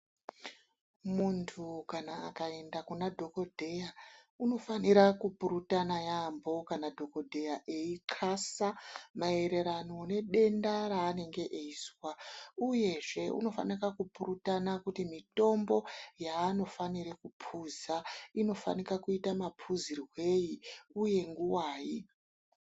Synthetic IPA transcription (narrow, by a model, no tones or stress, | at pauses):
muntʰukanaːkae̞ndakunadʱo̞ko̞dʱe̞ja | uno̞faniɾakupuɾutanajambo̞kanadʱo̞ko̞dʱe̞jaʔeiǃʰasamae̞ɾe̞ɾano̞ne̞ɗe̞ndaɾaːne̞ŋɡe̞ʔeiswauje̞ʐe̞ṵno̞fa̰nirakupurutanakutimito̞mbo̞jaːno̞faniɾekupʰuzaino̞fa̰nikakuitamapʰuzirwe̞jiuje̞ŋɡuwaːji